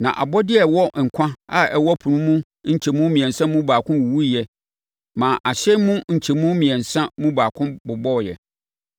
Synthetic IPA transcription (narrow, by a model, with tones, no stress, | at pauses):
nã̰˨ʔa̰˨bɔ˦dɪ˦ɛ˨wɔ˦ŋ̩˨kʷʰã˦a˦ɛ˨wɔ˦pʰʊ˨nũ˦mũ˦ | ɲ̩˨t͡ɕʰɛ˨mũ˦mĩ˨ɛ̃˨n˨sã˦mũʊ̃˦baː˨kʰʊ̃˦wu˨wu˦i˨jɛ˨ | mãː˨ʔa˨ɕɛ˦mʊ̃˦ɲ̩˨t͡ɕʰɛ˨mũ˦mĩ˨ɛ̃˨n˨sã˦mũ˦baː˨kʰʊ̃˦bʊ˨bɔ˦˨jɛ̰˨